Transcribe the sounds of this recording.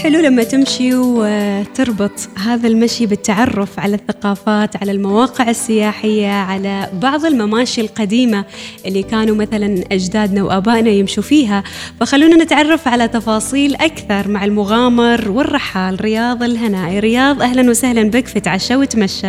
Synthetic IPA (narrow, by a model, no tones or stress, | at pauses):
ħɪlulamːat̪ɪmʃi | t̪ɨɾˤbɨt̪ˤɦaːðalmaʃibɪt̪ːaʕɑrˤːʊfʕalaθːaqɑːfaːt̪ʕalalmawɑːqɪʕɪsːɪjaːħɪjːaʕalabɑʕðˤɪlmamaːʃilqad̪iːmaʔɪlːikaːnumaθalanʔad͡ʒd̪aːd̪nawʔaːbaːʔnajɪmʃufiːɦafaxalːuːnanɪt̪ʕɑrˤːɑfʕalat̪ɑfɑːsˤiːlʔakθɑɾˤmaʕɪlmʊɣaːmɑɾˤwɪrˤːɑħːaːlɾɪjɑːðˤɪlɦanaːʔiɾɪjɑːðˤʔahlanwɪsahlanbɪkfit̪ʕaʃawɪt̪maʃːa